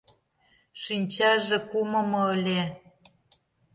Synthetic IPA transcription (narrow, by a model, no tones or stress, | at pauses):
ʃinʲt͡ɕɑʒĕkumɤ̆mɤ̆ə̆lʲe